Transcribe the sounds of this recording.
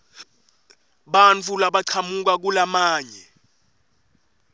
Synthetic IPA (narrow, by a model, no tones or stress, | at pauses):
ɓant͡fʰulaɓaǀʰamuk̬ak̬ulamaːɲɛ